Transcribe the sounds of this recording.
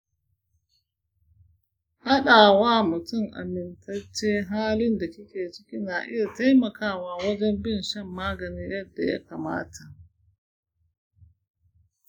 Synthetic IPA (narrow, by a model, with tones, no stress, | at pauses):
ha˦ɗa˨waː˦mʊ˨tʊ˦˨ŋʔa̰˨mɪ˨ntʰɐ˦t͡ʃːeː˦ɦaː˦lɪ˦nda˨kʲɪ˦kʲeː˨t͡ʃɪ˦kʲi˦na˨ʔɪ̰˦ja˨ta˦jmɐ˨kaː˦waː˦wɐ˦d͡ʒɛ˦mbɪ˦nʃɐ˦mːaː˦ɡɐ˨niː˦jɐ˦dːa̰˨ja̰˦ka˨ma̰ː˦tʰa˨